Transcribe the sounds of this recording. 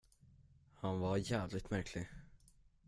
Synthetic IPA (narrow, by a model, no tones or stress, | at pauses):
hanvaɾjæːvlɪt̪mæɾkʰlɪ